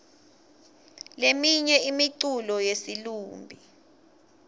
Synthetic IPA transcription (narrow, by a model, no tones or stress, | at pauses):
lemiɲɛimiǀulɔjesiluːmbʱi